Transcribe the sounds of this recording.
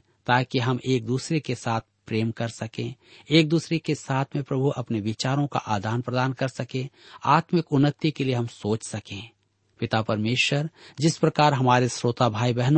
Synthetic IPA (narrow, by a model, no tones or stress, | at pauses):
t̪aːkiɦɐmʔeːk̚d̪uːsɾekesaːt̪̚ʰpɾeːmkɐɾsɐkẽ | eːk̚d̪uːsɾekesaːt̪ʰmẽpɾɐbʱuʔɐpneʋɪt͡ʃaːɾõka̰ʔaːd̪ʱaːnpɾɐd̪aːnkɐɾsɐkẽːaːt̪mɪkʊnːət̪ːikelieɦɐmsoːt͡ʃsɐkẽː | pɪt̪apɐɾmeːʃwəɾd͡ʒɪspɾɐkaːɾɦɐmaːɾesɾoːt̪abʱaːibɛɦn